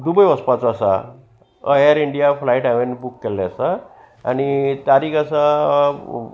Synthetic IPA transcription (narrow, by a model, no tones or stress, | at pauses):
d̪ubəjɔspat͡sasa̰ | əjəɾiɳɖijafʰlaiʈãʋenbukːɛlːeasa | añit̪aɾiːkʰasa